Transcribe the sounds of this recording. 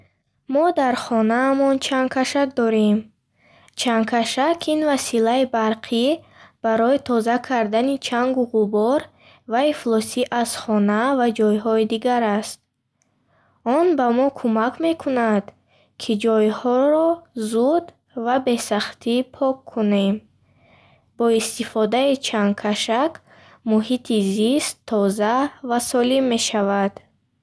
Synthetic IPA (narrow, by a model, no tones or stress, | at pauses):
mɔd̪aɾχɔnaːmɔnt͡ʃʰaŋkʰaʃak̚d̪ɔɾem | t͡ʃʰaŋkʰaʃakʰinvasilaibaɾqʰi | b̥aɾɔit̪ʰɔzakʰaɾd̪anit͡ʃʰaŋɡuʁubɔɾ | vaiflɔsiʔaz̥χɔnavad͡ʒɔjɦɔid̪iɡaɾast̪̚ | ɔnbamɔkʰumakʰme̞kʰunad̪̥ | kʰid͡ʒɔjhɔɾɔzud̪ | vabe̞saχt̪ʰipʰɔkʰːune̞m | bɔist̪ifɔd̪ait͡ʃʰan̚kʰaʃak | muhit̪ʰizist̪ʰːɔzavasɔlimːe̞ʃavad̪̥